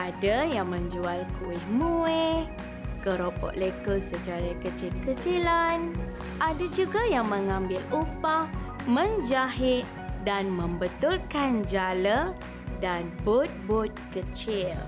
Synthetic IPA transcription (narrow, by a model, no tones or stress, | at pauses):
ʔadajaŋmə̃ɲd͡ʒualkuɪhmue | kəɾopɔ̰ʔlekəsət͡ʃaɾakət͡ʃilkət͡ʃilan | ʔadad͡ʒuɡajaŋmə̃ŋãmbɪlupah | mə̃nd͡ʒaɦɪt̪̚danmə̃mbət̪ulkand͡ʒalə | danbʊt̪̚bʊt̪̚kət͡ʃɪl